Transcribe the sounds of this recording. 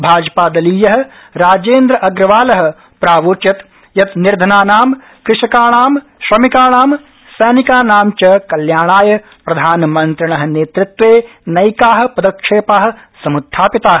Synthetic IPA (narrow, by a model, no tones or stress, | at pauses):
bʱaːd͡ʒpaːd̪ɐliːjɐɦɐ̆ | ɾaːd͡ʒeːnd̪ɾɐʔɐɡɾɐʋaːlɐɦɐ̆ | pɾaːʋoːt͡ʃjɐt̪ | jɐt̪nɪɾd̪ʱɐnaːnaːm | kɾɪʃɐkaːɽ̃aːm | ʃɾɐmikaːɽ̃aːm | sɐːnikaːnaːmt͡ʃɐkɐljaːɽ̃aːjɐ | pɾɐd̪ʱaːnmɐnt̪ɾɐɳ̃ɐɦ̆neːt̪ɾɪt̪ʋeː | nɐjkaːɦ̆pɐd̪ɐkʂeːpaːɦɐ̆ | sɐmʊt̪ʰːaːpɪt̪aːɦ